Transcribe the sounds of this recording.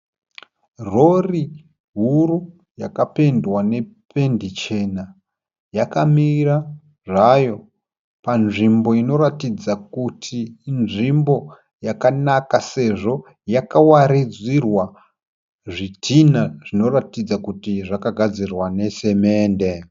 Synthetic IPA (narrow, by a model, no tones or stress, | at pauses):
ro̞ri | ɦuru | jakape̞ndwane̞pʰe̞ndit͡ʃe̞na | jakamira | ʐajo̞ | panʐimbo̞ino̞ɾatid͡zakutʰiːnʐimbo̞ | jakanakase̞ʐo̞ | jakawaɾid͡zirwa | ʐitʰinaʐ̥ino̞ratid͡zakutiʐakaɡʱad͡zirwane̞se̞me̞ːnde̞